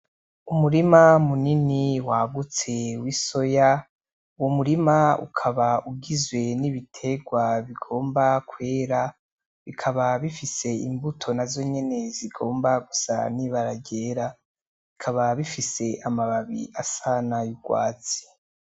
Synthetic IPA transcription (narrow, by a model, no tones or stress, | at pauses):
umuɾimamuniniwaɡut͡se̞wiso̞ja | uwomuɾimaṵkʰaβauɡizwe̞niβitʰe̞ɡwaβiɡo̞ːmbakwe̞ːɾa | βikʰaβaβifise̞imbutʰo̞nazo̞ɲe̞ne̞ziɡo̞ːmbaɡusa̰niβaɾaɟe̞ːɾa | βikʰaβaβifise̞ʔamaβaβḭasanajuɡ̥wa̰ːt͡si̥